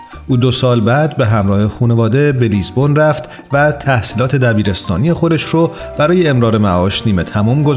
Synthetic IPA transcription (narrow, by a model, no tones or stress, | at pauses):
ʔuːd̪osɒːlbæd̪̚be̞ɦæmɾɒːhe̞xuːne̞vɒːd̪e̞be̞liːzbonræft̪ | væt̪ʰæhsiːlɒːt̪ʰe̞d̪æbiːɾe̞st̪ɒːnie̞xo̞d̪e̞ʃro | b̥æɾɒːje̞ːmɾɒːɾe̞mæʔɒːʃniːme̞t̪ʰæmumɡoz